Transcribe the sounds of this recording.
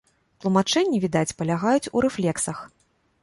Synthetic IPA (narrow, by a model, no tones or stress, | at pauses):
t̪lˠumat͡ʂɛnʲːivʲid̪at͡sʲpɐlʲaɣajut͡sʲuɾɛflʲɛksɐx